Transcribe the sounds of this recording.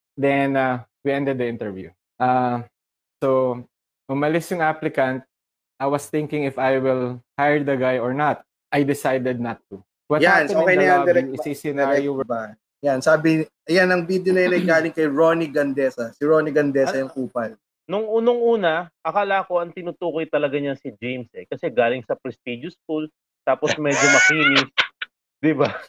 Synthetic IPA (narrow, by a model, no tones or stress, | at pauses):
d̪ɛnawiɛ̃nd̪ɛd̪̚ːɐʔɪ̃nt̪ɛɹvjṵ | ʔa | so | ʔʊmɐlɪsjʊŋʔaplɪkɐnt̪̚ | ʔajwɐst̪ɪ̃ŋkɪ̃ŋɪfajwɪlhajɹd̪ɐɡajɔɹnat̪̚ | ʔajd̪ɪsajd̪ɛd̪̚nɐt̪ːu | wɐjaanɛoɛj̪ɐjaaɾɛɪsɐjsɪnajoba | jansaːbɪʔɐjanɐŋbiːd̪jonɐjɐnɐjɡaːlɪŋkɐjɹoniɡɐnd̪ɛsɐsɪɹoːnɪɡɐnd̪ɛɐjʊŋkuːpɐl | nʊŋʔuːnoŋʔuːnɐʔɐkaːlakoɐŋt̪ɪnut̪uːkojt̪ɐlɐɡaɲasɪd͡ʒejmsɛkɐsɛɡaːlɪŋsɐpɾɛst̪id͡ʒʊskul | t̪aːposmɛd͡ʒomɐkinɪs | d̪ɪba